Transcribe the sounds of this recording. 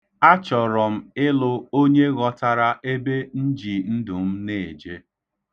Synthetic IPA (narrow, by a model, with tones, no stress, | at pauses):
a˦t͡ʃɔ˨ɾɔ˨m̩˦ɪ˦lʊ˦o˦ɲe˦ɣɔ˦ta˨ɾa˦ʔe˦be˦n̩˦d͡ʒi˨n̩˦dʊ˨m̩˦ne˦˨e˨d͡ʒe˦